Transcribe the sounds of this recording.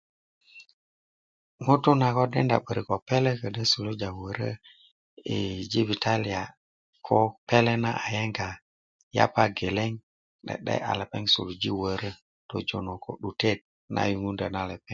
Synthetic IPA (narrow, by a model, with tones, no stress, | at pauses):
ŋo˦to˦na˨ko˦de˦nda̰˨ɓə˨ɾi˨ko˨pe˦le˦kə˨də˦su˨lu˦d͡ʒa˨wə˨ɾə̰˦ | ḛ˨d͡ʒi˦vi˨ta˦li˨a˨ | kʰo˦pe˦le˦na˦ʔa˨je˦ŋɡa˨ | ja̰˦pa˦ɡe˨le˦ŋ | ɗḛ˨ɗa̰˦ʔa̰˨le˨pḛ˦ŋsṵ˨lu˨d͡ʒi˦wə˨ɾə˦ | to̰˨d͡ʒo˨no˨kʰo̰˨ɗu˨te˦˨t̚ | nʔa̰˦ju˨ŋu˦nda˨na˦le˨pe˦ŋ